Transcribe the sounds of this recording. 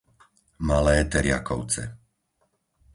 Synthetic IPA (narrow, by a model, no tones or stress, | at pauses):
malɛːt̪ɛɾɪa̰kɔʊt͡sɛ̰